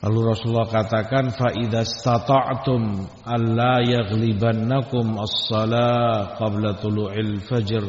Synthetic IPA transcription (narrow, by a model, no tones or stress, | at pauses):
la̰luɾɔsulːɑhkat̪akanfaʔiðast̪ɑt̪ˤɑʕt̪ʊmʔanlajaɣlibanːakʊmɑsːɑlaqɑblat̪ˤulʊʕalfad͡ʒr